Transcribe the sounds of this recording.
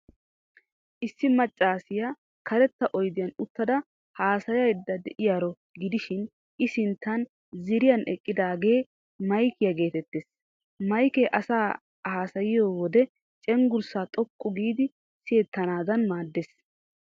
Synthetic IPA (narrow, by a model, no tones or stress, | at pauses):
ʔɪsːɪmɐt͡ʃʼːaːsɪja | kɐɾɛt̪ːɐʔɔjd̪ɪjɐnʊt̪ːɐd̪ɐ | haːsɐjɐɪd̪ːɐd̪ɛʔɪjaːɾɔ | ɡɪd̪ɪʃɪn | ʔɪsɪnt̪ːɐn | zɪɾɪjɐnɛkʼːɪd̪aːɡe̞ː | mɐjkɪjɐɡe̞ːt̪ɛt̪ːeːs | mɐjkeʔɐsaː | haːsɐjɪjoːwɔd̪ɛ | t͡ʃʼɛŋɡʊɾsaːt̪ʼɔkʼːʊɡiːd̪ɪ | sɪjɛt̪ːɐnaːd̪ɐnmaːd̪ːes